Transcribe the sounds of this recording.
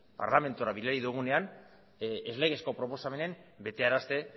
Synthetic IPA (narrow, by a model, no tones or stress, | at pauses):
pa̰ɾlame̞nt̪uoɾaβilaɾiðuɣ̞une̞an | ezle̞ɣ̞e̞sko̞pɾo̞po̞same̞ne̞mbe̞t̪e̞aɾast̪e̞